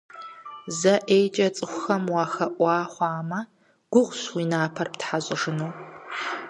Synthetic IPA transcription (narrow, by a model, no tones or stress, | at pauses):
zɐʔejt͡ʃʼɐt͡sʼɨxʷʊxɐmwɑːxɐʔʷɑːχʷɑːmɐ | ɡ̥ʷʊʁʷɕwiːnaːpʰɐrptħaɕʼɪʒɨnuw